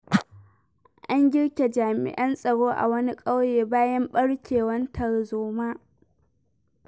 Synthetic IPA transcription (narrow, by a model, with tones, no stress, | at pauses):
ʔa˦ŋɡʲɪ˦ɽkʲe˨d͡ʒaː˨mɪ̰˨ʔɐ˦nsʼɐ˨ɽoː˦ʔa̰˨wɐ˦ni˦kʼɐ˦wjeː˨baː˦jɐ˦mɓɐ˦ɽkʲeː˨wɐ˦ntʰɐ˨ɽzoː˦maː˦